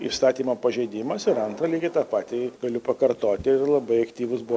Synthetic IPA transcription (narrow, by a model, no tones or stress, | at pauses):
ḭːst̪ɑːt̪ʲiːmoːpɐʒʲɛɪd̪ʲɪmɐsɪɾɐnt̪ɾɐlʲiːɡʲɪt̪ɑːpɑːt̪ʲɪɡɐlʲʊpɐkɐrt̪oːt̪ʲɪɪrlˠɐbɐɪɐkt̪ʲiːʋʊsbʊʋo